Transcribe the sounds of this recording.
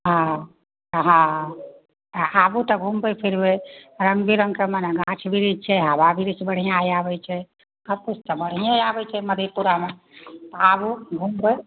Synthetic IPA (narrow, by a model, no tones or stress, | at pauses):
ɦã | ɦã | t̪abut̪əɡʱumbepʰiɾbeɾəŋɡbʱiɾəŋɡkemeneɡãt͡ʃʰbʱiɾid͡ʒt͡ʃʰɛɦababʱiɾit͡ʃʰbəɽ̤ijãjabɛt͡ʃʰɛ | kʰəbkut͡ʃʰt̪əbəɽ̤ijãabɛt͡ʃʰɛməd̪ʱepuɾame | t̪ɔabuɡʱumbə